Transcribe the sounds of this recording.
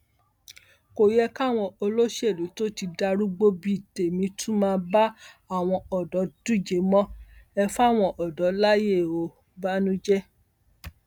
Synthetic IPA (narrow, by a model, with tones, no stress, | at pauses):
ko˨jɛ˧ka˦˨w̃ɔ̃˧o˧lo˦ʃe˦˨lu˨˦to˦ti˧da˧ɾu˦ɡ͡bo˦bi˦i˨te˨mĩ˨˧˦tʰũ˦mãː˦˧ba˦ | a˦˨w̃ɔ̃˧ɔ˨dɔ˨˦d̥u˦d͡ʒe˨˦mɔ̃˦ɛ˧fa˦˨w̃ɔ̃˧ʔɔ˨dɔ˨˦la˦je˦˨o˨˦ | ba˦nũ˦d͡ʒɛ˦